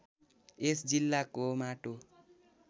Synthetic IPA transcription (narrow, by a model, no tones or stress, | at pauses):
esd͡zilːakomaʈo